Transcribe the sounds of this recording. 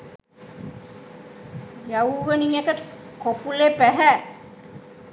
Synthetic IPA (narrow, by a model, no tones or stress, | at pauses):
jawʋənijekət̪kopulepæɦæ